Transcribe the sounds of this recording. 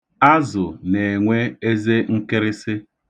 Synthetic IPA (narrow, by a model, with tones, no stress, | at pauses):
a˦zʊ˨ne˨e˨ŋʷe˦e˦ze˦ŋ̩˦kɪ˦ɾɪ˦sɪ˦